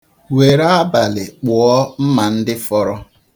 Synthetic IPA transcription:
we˨ɾa˦a˦ba˨lɪ˨k͡pɔ˨ɔ˦m̩˦ma˨n̩˦dɪ˦fɔ˦ɾɔ˦

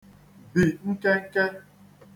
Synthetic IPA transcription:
bi˨ŋ̩˦ke˦ŋ̩˦ke˦

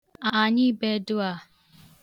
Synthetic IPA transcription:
a˨ɲi˦be˦dʊ˦a˨

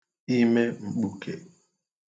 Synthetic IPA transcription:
i˦me˦ŋ͡m̩˨k͡pu˨kʰḛ˨

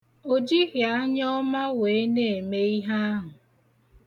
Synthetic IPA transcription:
o˦d͡ʒi˦ɣja˦ɲ˦ɔ˦ma˦weː˨˦e˦ne˦e˨me˦i˦ɦa˦a˦ɦʊ˨

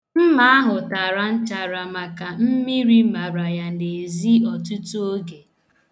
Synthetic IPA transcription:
m̩˦ma˦a˦ɦʊ˨ta˨ɾa˨n̩˦t͡ʃa˨ɾa˨ma˨ka˨m̩˦mi˦ɾi˦ma˨ɾa˨ja˨n̩˨de˨e˨zi˦ɔ˨tu˦tu˦o˦ɡe˨

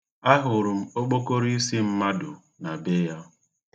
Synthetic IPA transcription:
a˦ɦʊ˨ɾʊ˨m̩˦o˦k͡po˦ko˦ɾi˦i˦si˦m̩˦ma˦dʊ˨ | na˨be˦ja˦

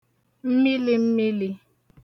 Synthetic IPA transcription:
m̩˦mi˦li˦m̩˦mi˦li˦

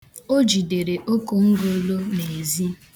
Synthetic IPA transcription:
o˦d͡ʒi˨de˨ɾe˨ʔo˦ko˦ŋ̩˦ɡo˦lo˦ne˨e˨zi˦

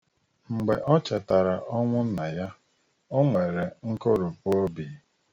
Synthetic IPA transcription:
ŋ͡m̩˨ɡ͡be˨ʔɔ˦t͡ʃa˨ta˨ɾa˨ʔɔ˦ŋʷʊ˦na˨ja˦ | o˦ŋʷe˨ɾe˨ŋ̩˦ko˦ɾʊ˨pʊ˦o˦bi˨˦

